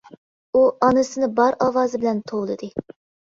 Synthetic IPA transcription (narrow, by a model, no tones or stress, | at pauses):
uʔɑnɨsɨnɪbɑɾɑwɑːzɨbɪlɛnt̪ʰowlˠɨd̪ɨ